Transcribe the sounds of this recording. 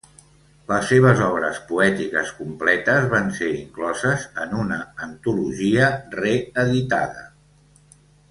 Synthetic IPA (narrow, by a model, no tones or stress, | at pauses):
ləsːeβ̞əzɔβɾə̰spuɛt̪ikəskumplɛt̪əzβanseɾiŋklɔzəzənunəːnt̪uluʒiəreəðit̪a̰ðə